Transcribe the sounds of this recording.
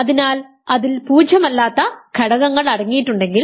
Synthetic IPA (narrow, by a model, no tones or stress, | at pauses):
ɐðinaːl | ɐðilpuːd͡ʑɐmɐlːaːt̪ːɐkʰeɽɐɣɐŋːɐɭɐɽɐŋːijʈːuɳɖe̞ŋɡil